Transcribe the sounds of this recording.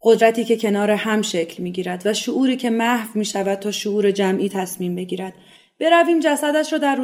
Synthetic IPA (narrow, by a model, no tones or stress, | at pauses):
ɢo̞d̪ɾæt̪ʰiːce̞cʰe̞nɒːɾehæmʃecʰlmiːɟiːɾæd̪væʃoʔuːɾiːcʰe̞mæhvmiːʃævæd̪̚t̪ʰɒːʃoʔuːɾe̞d͡ʒæmʔiːt̪ʰæsmiːmbe̞ɟiːɾæd̪̥ | b̥e̞ɾæviːmd͡ʒæsæd̪æʃɾɔːd̪æɾ